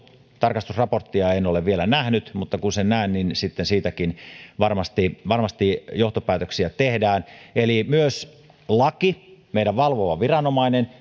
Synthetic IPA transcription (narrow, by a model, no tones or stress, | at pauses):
t̪ɑrkɑst̪usrɑport̪ːiɑenoleʋʋielænæhnyt̪mut̪ːɑkunsenæˑːnninsit̪ːensiːt̪ækinʋɑrmɑst̪iʋɑrmɑst̪ijoht̪opæːt̪øksiæt̪ehdæːnelimyøs | lɑkimeiɾæʋʋɑlʋoʋɑʋirɑnomɑinen